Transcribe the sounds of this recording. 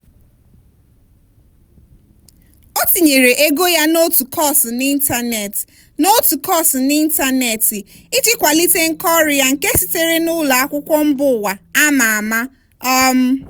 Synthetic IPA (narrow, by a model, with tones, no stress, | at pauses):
o˦ti˨ɲe˨ɾe˨ʔe˦ɡo˦ja˦no˦tu˨kʰɔ˦˨sni˦n̩˦ta˨ne˨t | no˦tu˨kɔ˦˨sni˦n̩˦ta˦ne˨tɪ˨ | i˦t͡ʃɪ˦kʷa˨li˦te˦ŋ̩˦kɔ˦ɾɪ˨ja˦ŋ̩˨ke˦si˨te˦ɾe˦nʊ˦la˨a˦kʷʊ˦kʷɔ˦m̩˦bʊ˦˨wa˨a˦ma˨a˨ma˦ | ɔ˦m̩˦